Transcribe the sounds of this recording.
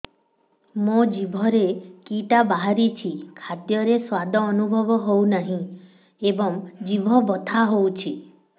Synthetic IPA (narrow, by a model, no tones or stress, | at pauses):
mõd͡ʒibʱɔɾekiʈabaɦaɾit͡ʃʰikʰad̪jɔɾeswad̪ʱɔːnubʱɔbɔɦownaɦĩ | ebɔŋd͡ʒibʱɔbɔt̪ʰaɦowt͡ʃʰi